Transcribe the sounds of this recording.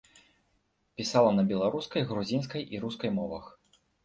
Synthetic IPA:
pʲisalˠɐnɐbʲɛlˠaɾuskɐjɣɾuzʲins̬kɐjʔiɾuskɐjmɔvɐx

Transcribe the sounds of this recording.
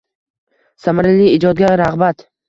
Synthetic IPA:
samaɾɪliɪd͡ʒɒd̪̚ɡʲaɾaʁbat̪

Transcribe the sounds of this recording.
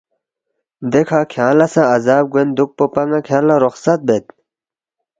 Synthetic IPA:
d̪ekʰaːkʰjaːlɐsãɐzaːb̚ɡwend̪uk̚popɐŋɡakʰjaːlaɾoxsɐt̪̚bet̪

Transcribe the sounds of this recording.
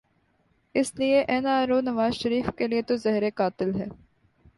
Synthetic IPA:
ɪslieʔɛːnaːɾoːnɐʋaːzʃəɾiːfkeliet̪ozɛɦɾekaːt̪ɪlɦɛː

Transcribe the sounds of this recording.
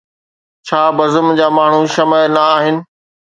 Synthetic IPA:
t͡ɕʰaːbɐzʊmd͡ʑaːmaːɳ̤uʃɐməjnɐaːɦɪnɪ̆

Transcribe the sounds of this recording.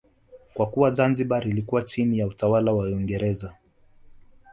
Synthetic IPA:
kwakuwazanziɓaɾilikuwat͡ʃinijautawalawaiŋɡɛɾɛza

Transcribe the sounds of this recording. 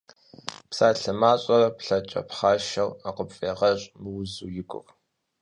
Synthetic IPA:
psaːɬɐmaːɕʼɐrɐpɬɐt͡ʃʼɐ̰pχaːʃɐwaqəpfʼeːʁɐɕʼmɨwzuːjɪkʷʼʊ̰x

